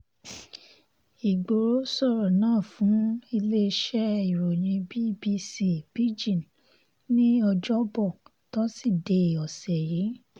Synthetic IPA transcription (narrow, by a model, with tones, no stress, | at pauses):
i˨ɡ͡bo˨ɾo˨˦sɔ˦˨ɾɔ˨nãː˦˨fũ˨˦i˧le˦˧˦ʃɛ˦i˨ɾo˨j̃ĩ˧bi˦bi˧si˦b̥i˦d͡ʒĩ˦˨n | nĩ˦ɔ˧d͡ʒɔ˦bɔ˦˨ | tɔ˦si˦˨de˨˦˨ɔ˨sɛ˨je˨˦